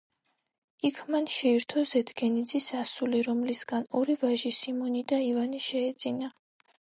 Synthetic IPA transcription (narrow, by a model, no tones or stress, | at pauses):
ikʰmanʃɛiɾt̪ʰɔzɛd̪ɡɛnid̪zisasuliɾɔmlisɡanɔɾivaʒisimɔnid̪aivaniʃɛːd̪zina